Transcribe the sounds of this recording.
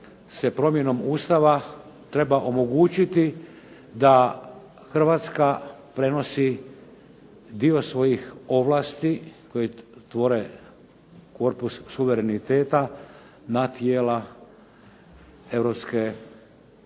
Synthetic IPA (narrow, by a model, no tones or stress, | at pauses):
sepɾo̞mje̞no̞muːst̪aʋa | t̪ɾe̞baʔo̞mo̞ɡuːt͡ɕit̪i | d̪a | xr̩ʋat̪skapɾe̞no̞si | d̪io̞sʋo̞jixo̞ʋlˠaːst̪iko̞jit̪ʋo̞ɾe | ko̞ɾpusːuʋeɾe̞nit̪e̞ːt̪a | nat̪jeːla | e̞ʋɾopske̞